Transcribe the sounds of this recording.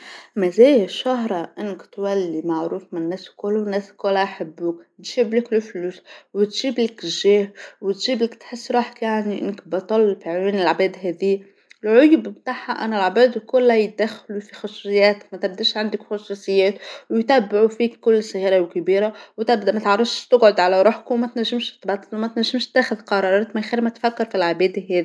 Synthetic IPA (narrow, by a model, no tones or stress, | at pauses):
mæzæːjʃaɦɾˤɑʔɪnːkt̪wælːimaʕɾuːfmɪnnːɛːskʊlnːɛːskʊlaʔħabːukt̪ʒiblɪklɪfluːswɪt̪ʒ̥iːblɪkʒɛːhwɪt̪ʒ̥iːblɪkt̪ħɪsːɾˤɑːħkjaʕniʔɪ̰nːkbɑt̪ˤɑlfiʕwiːnɪlʕbɛːd̪ɦæːði | ɪlʕʊjbmt̪aːħaʔæ̰nælʕabæːd̪kʊlːæj̪̚d̪æxːlufixʊsˤusɨjːæːt̪kmæt̪æb̚d̪iːʃʕand̪ɪkxʊsˤusˤɨjːæːt̪wjt̪æbːɪʕufiːkkːʊlːsˤɣiːɾawkabiːɾawt̪æbd̪mæt̪ʕɑrˤːɑfʃt̪ʊɡʕʊd̪ʕalæɾˤuħkwmæt̪næʒːɪmʃt̪bɑt̪ˤːɑlwmæt̪næʒːɪmʃt̪ːæːxʊðqɑɾˤɑːɾˤɑːt̪mɪnxiːɾmæt̪fækːɪɾfilʕabɛːd̪iɦɛːði